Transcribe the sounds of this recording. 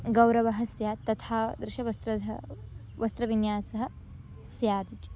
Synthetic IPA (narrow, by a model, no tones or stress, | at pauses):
ɡɐwɾɐʋɐɦɐsjaːt̪ːɐt̪ʰaːd̪ɾɪʃɐʋɐst̪ɾɐd̪ɐ | ʋɐst̪ɾɐʋinjaːsɐɦɐ̆ | sjaːd̪it͡ʃ